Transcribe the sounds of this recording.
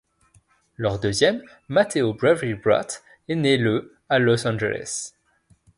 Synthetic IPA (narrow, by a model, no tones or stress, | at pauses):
lœʁd̪øzjɛmː | at̪ʰeobʁɛvʁibʁa̰t̪ | enelə | alɔsɑ̃ʒelɛ̰s